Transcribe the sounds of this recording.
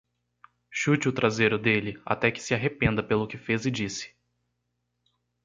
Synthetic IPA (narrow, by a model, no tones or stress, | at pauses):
ʃut͡ʃɪʊt̪ɾazejɾʊd̪elɪa̰t̪ɛkɪ̥sɪaɦepẽnd̪ɐpelʊkɪfezɪd͡ʒisɪ̥